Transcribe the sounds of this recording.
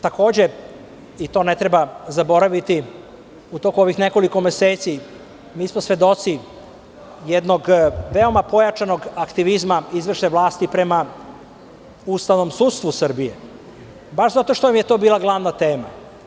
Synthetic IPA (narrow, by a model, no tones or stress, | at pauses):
t̪ako̞ːd͡ʑe̞ | it̪o̞ne̞t̪ɾe̞bazabo̞ɾaʋit̪i | ut̪o̞kuo̞ʋixneko̞liko̞meseːt̪si | miːsmosʋe̞d̪o̞t̪si | jed̪no̞ɡʋeo̞mapo̞jat͡ʃano̞ɡakt̪iʋizmaizʋeʃt̪eʋlˠaːst̪ipɾe̞ma | ust̪aʋno̞msud̪st̪ʋusr̩bije | baʃzat̪o̞ʃt̪omjet̪o̞ːbiːlˠaɡlˠaʋnat̪e̞ːma